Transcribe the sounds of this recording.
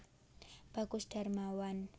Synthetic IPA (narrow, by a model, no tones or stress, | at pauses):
b̥a̤kusd̥a̤rmawan